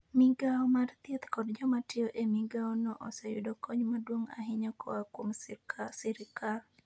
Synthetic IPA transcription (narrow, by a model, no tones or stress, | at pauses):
miɡaɔmart̪jet̪kɔdd͡ʒɔmatɪoʔemiɡaɔnɔʔɔsɛjʊ̰dɔkɔɲmadwoŋa̰ɦɪɲɔkʰɔakwomsiɾɪkal